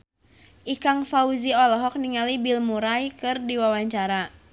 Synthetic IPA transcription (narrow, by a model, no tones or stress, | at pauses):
ʔikaŋfauziɔlɔɦɔk̚niŋalibilmuɾajkɨrdiwawaɲt͡ʃaɾa